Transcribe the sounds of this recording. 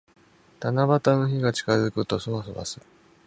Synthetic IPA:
t̪anabat̪ano̞çiɡat͡ɕi̥kazɨkɯ̟t̪o̞sonosoβa̰sɨ

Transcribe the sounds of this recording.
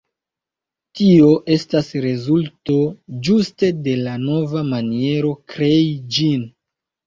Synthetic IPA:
tio̞ʔe̞stasɾe̞zulto̞d͡ʒuste̞de̞lano̞vamanie̞ɾo̞kɾe̞id͡ʒin

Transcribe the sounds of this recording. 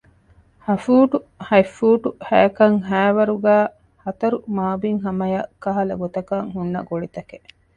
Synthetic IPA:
hɐfuːʈuhɐjfːuːʈuhæjɐkɐŋɦæːʋɐɾuɡæː | hɐt̪ɐɾumaːbiŋɦɐmɐjɐkːɐɦɐlɐ̰ɡot̪ɐkɐŋhunːɐ̰ɡoɭit̪ɐke

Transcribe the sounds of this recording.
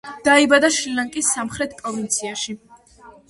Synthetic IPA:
d̪̥aibad̪aʃɾilaŋkʼisːamχɾɛt̪̚ʰpʼɾɔvint̪sʰiaʃi

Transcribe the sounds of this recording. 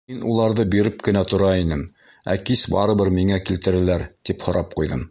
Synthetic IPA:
minulˠɑɾðɤbiɾɘp̚kɘ̆næt̪ŏɾɑinɘm | æ̰kisbɑɾɤ̆βɤɾmiŋækilt̪ɘ̆ɾɘ̆læɾt̪iphŏɾʔɑp̚qujðɤm

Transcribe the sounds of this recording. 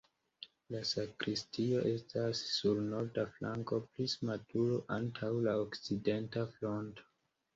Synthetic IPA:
lasakɾistio̞ʔe̞stasːulno̞ɾdaflaŋko̞plismatuɾoʔantʰawlaokt͡side̞ntaflo̞nto̥

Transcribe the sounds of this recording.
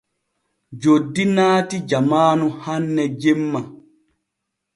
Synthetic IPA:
d͡ʒodːinaːtid͡ʒamaːnuhanːɛd͡ʒemːa

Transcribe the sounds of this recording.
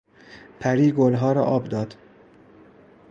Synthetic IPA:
pʰæɾiːɡolɦɒːɾɒ̰ʔɒːbd̪ɒːd̪̥

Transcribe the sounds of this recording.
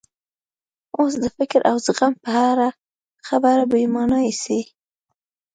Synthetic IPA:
osd̪əfɪkɾʔawzəɣampəhaɾa | xabaɾabəjimɑnɑisi

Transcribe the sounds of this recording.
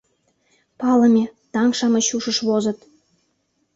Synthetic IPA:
pɑlɤ̆mʲet̪ɑŋʃɑmɤ̆ɕuʃɤ̆ʃβozɤ̆t̪

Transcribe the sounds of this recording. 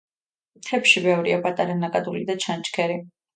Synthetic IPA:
t̪ʰɛpʃibɛvɾiapʼat̪ʼaɾanakʼad̪ulid̪at͡ʃʰant͡ʃʼkʰɛɾi

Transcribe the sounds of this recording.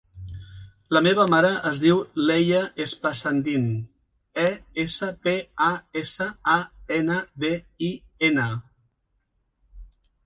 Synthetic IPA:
ləmeβ̞əmaɾəʔəzðiwlɛʎəʔespəsand̪in | ɛesəpeaesəaenəβeiena

